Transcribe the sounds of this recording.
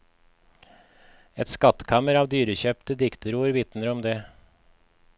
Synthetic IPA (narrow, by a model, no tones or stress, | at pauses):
ɛt̪skɑt̪kʰɑməɾɑːʋd̪yːɾəçœpt̪əd̪ɪkt̪əɾuːəɾʋɪt̪nəɾɔmd̪eː